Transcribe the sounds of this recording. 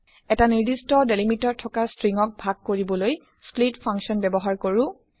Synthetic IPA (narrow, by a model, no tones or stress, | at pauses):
ɛtaniɹdistɔdelimitɔɹtʰɔkastɹiŋɔk̚bʱaɡ̚koɹibɔloj | splitpʰaŋksiɔnbɛbɔɦaɹkoɹʊ